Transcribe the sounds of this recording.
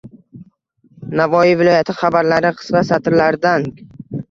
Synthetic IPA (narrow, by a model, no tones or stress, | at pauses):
navɒivɪlˠɒjat̪ʰɪχabaɾlaɾɪqʰɨ̥svasat̪ʰɪɾlaɾd̪an